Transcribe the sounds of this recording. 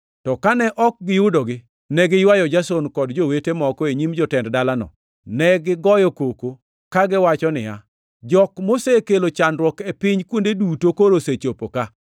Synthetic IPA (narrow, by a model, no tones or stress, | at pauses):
tɔkanɛʔɔk̚ɡɪjʊdoɡɪ | nɛɡɪjwajɔd͡ʒasonkɔdd͡ʒowetemɔkɔeɲimd͡ʒɔtɛnddalanɔ̰ | nɛɡɪɡɔjɔkoko | kaɡɪwat͡ʃɔnɪ̰ja̰ | d͡ʒɔkmosekelot͡ʃandwɔkepɪɲkwondedutokoɾoset͡ʃopoka